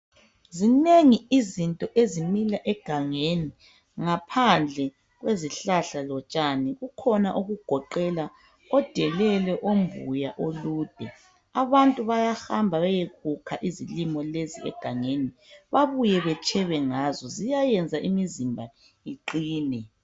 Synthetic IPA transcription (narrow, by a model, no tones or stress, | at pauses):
zineŋiizintʼɔʔezimilaʔɛɡ̥ʱaŋeni | ŋapʰand͡ɮʱɛ | ɣweziɬaɬalɔt͡ʃʼaniɣukʰɔnaʔuɣuɡ̥ʱɔǃɛla | ɔd̥ʱɛlɛlɛʔomvṵjaʔoluːd̥ʱɛ | aβantʼuβajaxambʱaβajeɣukʰaʔizilimɔleziɛ̰ɡ̥ʱaŋeniβaβujɛβɛt͡ʃʰʼɛβɛŋazɔzijajɛnd͡zʱaʔimizimbʱa | iǃiːnɛ